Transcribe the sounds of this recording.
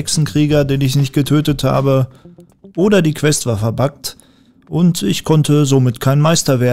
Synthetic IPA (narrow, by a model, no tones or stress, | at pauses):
ɛksn̩kʁ̥iːɡɐdeːnɪçnɪçt̚ɡ̥ətʰøːtətha̰ːbə | ʔoːdɐdiːkv̥ɛstv̥aːɐfɛɐbakt | ʔʊntɪ̰çkʰɔntʰəzoːmɪtkʰaɪnmaɪstɐveːɐ